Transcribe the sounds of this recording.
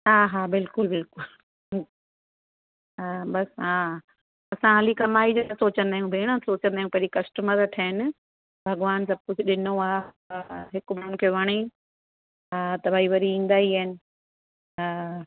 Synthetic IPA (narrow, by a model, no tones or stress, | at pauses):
ɦaːɦabɪlkʊlbɪlkʊl | abɐsɦã | ɐsãɦɐlikɐmaːid͡ʑoɐsoːt͡ɕə̃nd̪aːɦjũbʱeːɽ̃ə̃soːt͡ɕə̃nd̪aːɦjũpɐɪikɐsʈəməɾʈʰaɪnɪ̆ | bʱɐɡʋaːns̬ɐb̚kʊd͡ʑɗɪnoaː | ɦɪkmɪɾʊnkʰeːʋɐɽ̃e | t̪ɐbʱaiʋɐɾiĩːn̆d̪aːiɦaːɪnɪ̆